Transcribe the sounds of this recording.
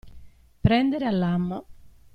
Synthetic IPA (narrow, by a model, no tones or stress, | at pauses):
pɾɛnd̪eɾealːamːo